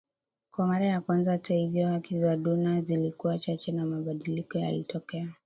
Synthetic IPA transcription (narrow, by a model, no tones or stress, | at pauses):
kwamaɾajakwanzahatahivjɔhakizaɗunazilikuwat͡ʃat͡ʃɛnamaɓaɗilikɔja̰litʰɔkɛa